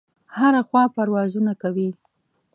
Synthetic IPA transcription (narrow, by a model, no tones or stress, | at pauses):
haɾaxwɑpaɾwɑzunakawi